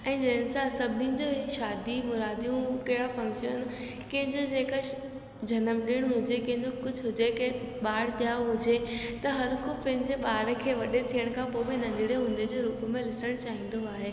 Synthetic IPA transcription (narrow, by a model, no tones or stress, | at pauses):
ɛ̃ːd͡ʑɐɦɪnsasɐbʱd̪iʊ̃d͡ʑoːʃaːd̪imʊɾaːd̪ijũkɐɦɪɽafɐ̃ŋʃən | kɐ̃ɦɪ̃ɲd͡ʑod͡ʑeːka | d͡ʑʱɐnəmɗɪɽ̃ɦʊd͡ʑekɐ̃ɦɪ̃ɲd͡ʑokʊd͡ʑʱɦʊd͡ʑekɓaːɽ̤ɗjaːɦʊd͡ʑet̪ɐɦɐɾkʊpɐɦɪnd͡ʑeɓaːɾkʰeːʋɐɗet̪ʰijəɽ̃kʰãpobɪnɐ̃ɲdɪɽeɦʊ̃ːnd̪ed͡ʑoːɾuːpmẽlɪsəɽ̃t͡ɕaːɦĩːn̆d̪oaːɦeː